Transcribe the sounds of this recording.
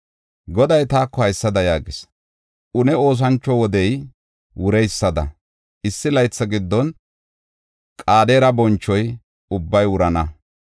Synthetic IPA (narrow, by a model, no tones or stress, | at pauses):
ɡɔd̪ɐjt̪aːkːɔhɐjsːɐd̪ɐjaːɡɪs | ʔʊnɛo̞ːs̬ɐnt͡ʃːɔwɔd̪ɛj | wʊɾɛjsːɐd̪ɐ̰ | ɪsːɪlɐjt͡sːɐɡɪd̪ːɔn | kʼaːd̪eːɾɐbɔnt͡ʃːɔj | ʊbːɐjwʊɾɐnɐ